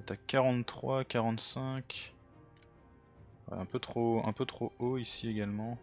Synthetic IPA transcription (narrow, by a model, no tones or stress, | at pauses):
t̪yakaʁɑ̃t̪t̪ːχwakaʁɑ̃t̪sɛ̃kʲ | ɛ̃pøt̪χoɛ̰̃pøt̪χooisieɡalmɑ̃